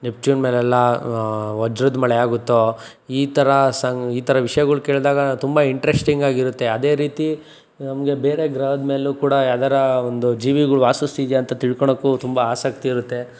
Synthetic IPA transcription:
nep̚t͡ʃuːnme̞ːlɛlːɐ | ɐd͡ʒɾud̪mɐɭɛaːɡut̪ːo | iːt̪ʰɐɾɐsɐŋiːt̪ʰɐɾɐʋiʂɐjɐɡɐɭuke̞ːɭd̪aːɡɐt̪umbɐiɳʈɾesʈiŋɡaːɡiɾut̪ːe̞ɐd̪e̞ːɾiːt̪i | nɐmɐɡe̞beːɾe̞ɡɾɐwd̪me̞ːlukuːɽɐaːd̪ɐɾɐond̪ud͡ʒiːʋiɡɐɭuʋaːsust̪id̪jɐnt̪ɐt̪iɭkoɳokːut̪umbɐaːsɐk̚t̪iːɾut̪ːe̞

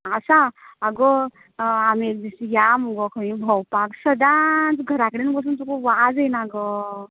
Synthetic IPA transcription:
asaaɡə | amiek̚d̪isijamuɡɔkʰəʋĩbʱəwpaksəd̪ãt͡sɡʱəɾakɽinbəs̬unt̪ɔkoʋad͡zenaɡə

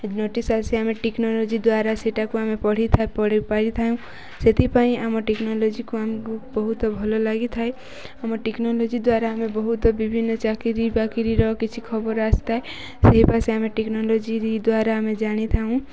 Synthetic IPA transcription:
noʈisaseameʈeknolod͡ʒid̪waɾaseʈakuamepɔɽ̤it̪ʰapɔɽipaɽit̪ʰaũ | set̪ipaĩamɔʈeknɔlod͡ʒikuamekubɔɦut̪ɔbʱɔlolaɡit̪ʰae | amɔʈeknolod͡ʒid̪waɾaamẽbɔɦut̪ɔbibʱinːɔt͡ʃakiɾibakiɾiɾɔɦkit͡ʃʰikʰɔbɔɾast̪ae | seɦipaseamẽʈeknolod͡ʒiɾid̪waɾamẽd͡ʒaɽ̃it̪ʰaɦũ

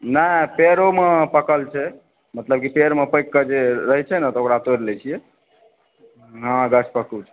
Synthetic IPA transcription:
nəɦpeɾomepəkəlt͡ʃʰɛ | mət̪ləb̚kipeɾmepəjkːəd͡ʒeɾəɦɛt͡ʃʰɛnət̪ɔokɾat̪oɾlɛt͡ʃʰijɛ | ɦãɡət͡ʃʰpəkut͡ʃʰɛ̥

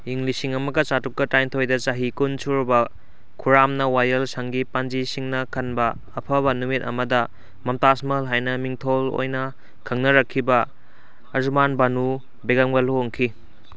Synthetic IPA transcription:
iŋlisiŋɐmɐɡɐt͡ʃatuk̚kɐtajntʰojdɐt͡ʃaɦikunsuɾbɐ | kʰuɾamnɐwajɐlsaŋɡipand͡ʒisiŋnɐkʰɐnbɐː | pʰɐβɐnumit̚ɐ̰mɐdɐ | mɐmtasmɐlɦajnɐmiŋtʰolo̰jnɐ | kʰɐŋnɐɾɐkʰːibɐː | zumanbanu | beɡaŋbɐloŋkʰi

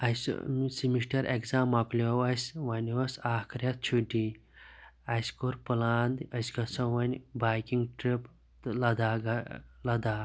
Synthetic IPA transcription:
ɐssimiʂʈɐɾʔekzaːmɐklʲowɐsʲʋɐnʲiwɐsaːkʰɾʲjɐt̪̚t͡ʃʰuɖi | ɐskoɾpɨlaːnd̪ɐsʲɡɐsɐʋɐnʲbaːjkiŋɡʈɾip̪ | lɐd̪aːɡɐlɐd̪aː

